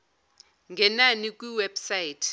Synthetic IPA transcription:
ŋɡʱɛnanikʼwiwɛb̥sajitʰ

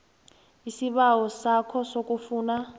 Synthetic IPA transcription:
isiɓawɔsakʰɔsokʼufuːna

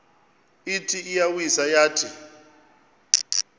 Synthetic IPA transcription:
itʰiːjawizajaːtʰi

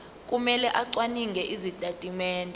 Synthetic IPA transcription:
kʼumɛlɛʔaǀwaniŋɡɛʔizitʼatʼimɛːndʱʼɔ

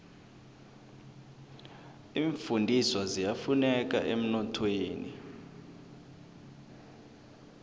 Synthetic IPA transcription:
iːɱfundʱiswazijafunɛk̬ʼa̰ʔem̩nɔtʰweːnḭ

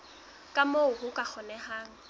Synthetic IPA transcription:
kʼamoʊhʊkʼak͡xʰɔnɛɦaːŋ̩

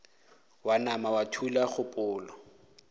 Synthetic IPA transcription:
wanamawatʰulaχʊpʼʊːlɔ

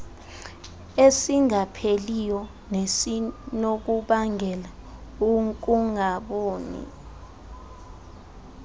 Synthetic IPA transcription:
esiŋapʰelijɔ | nesinok̬uɓaŋʱɛla | uŋkʼuŋaɓoːnḭ

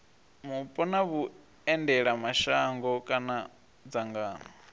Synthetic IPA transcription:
mupʼɔnaβu | ɛndɛɺamaʃaŋɡɔkʼana | d͡zaŋɡaːnɔ

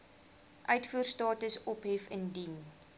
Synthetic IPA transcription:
ʔœɥtfuərstɑːtəsɔpɦɛfəndin

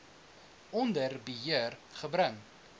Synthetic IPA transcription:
ɔndərbəɦiərχəbɾəŋ

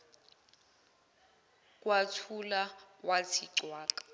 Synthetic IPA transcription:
kʼwatʰulawat͡sʰiǀwaːkʼḁ

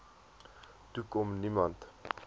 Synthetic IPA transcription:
tukɔmnimɐnt

